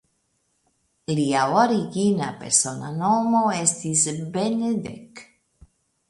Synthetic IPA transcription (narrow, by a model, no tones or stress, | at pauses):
liawaɾiɣinapeɾsonanomoest̪izbened̪ḛk